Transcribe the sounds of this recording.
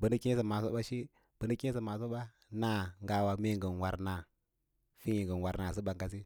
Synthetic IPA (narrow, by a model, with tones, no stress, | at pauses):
bə˨ni˦ke˦s̬a˨ma˨so˦ɓa˦ʃi˦ | b̥ə˨ni˦ke˦s̬ə˨ma˨so˦ɓa˦ | na˦ŋɡa˨wa˨me˦˨ŋɡə˨nwa˨ɾna˨ | fi˦ɲi˨ŋɡə˨nwa˨ɾna˨s̬i˦ba˨ŋɡa˦s̬i˦